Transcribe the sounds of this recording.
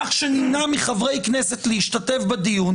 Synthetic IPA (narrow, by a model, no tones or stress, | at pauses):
aχʃeninamiχavʁe̞jknese̞tleiʃtate̞fbadijun